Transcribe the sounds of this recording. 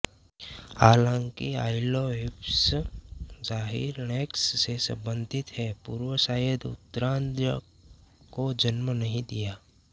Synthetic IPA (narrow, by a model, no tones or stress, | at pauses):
aːlãŋkia̰ːɪloɪps | zaːɦḭːɾneksːesɐ̰̃mbə̃nd̪ʱɪt̪ɦɛpṵːɾwəsaːjəd̪ʊ̰t̪ːəɾãːnd̪ɾə | kod͡ʒənmənɐɦĩd̪ijaː